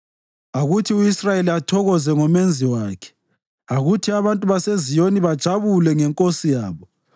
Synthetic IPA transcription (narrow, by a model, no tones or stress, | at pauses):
aɣutʰiuisrajeliatʰɔɣɔzɛŋɔmend͡zʱiwaːkʰɛ̥ | aɣutʰiaβantʼuβasezijoniβad̥ʒ̥ʱaβulɛŋɛŋkʼosijaːβɔ